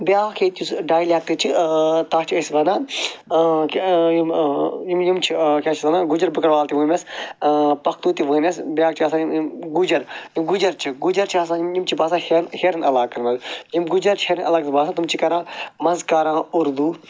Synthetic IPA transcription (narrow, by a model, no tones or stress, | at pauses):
bjaːkʰeːt̪ʲjusɖaːjlaːk̚t̪ɨt͡ʃʰit̪aːt͡ʃʰiɐsbɐnãː | kjimjimjimt͡ʃʰikʲat͡ʃʰisɐnãːɡud͡ʒɐɾbɨkɐɽʋaːlt̪iʋɨːmʲɐs | pɐkʰt̪uːt̪iʋɨːmʲɐsbjaːkt͡ʃʰiɐsaːjiɡud͡ʒɐɾjimɡud͡ʒɐɾt͡ʃʰiɡud͡ʒɐɾt͡ʃʰiɐːs̬ãːjimjimt͡ʃʰibaːsaːhenheɾɐnɐlaːkɐnmɐzjimɡud͡ʒɐɾt͡ʃʰiheːɾnʔɐlɐɡ̪̚baːsaːt̪umt͡ʃʰikɐɾãːmɐzkaːɾãːuɾd̪uː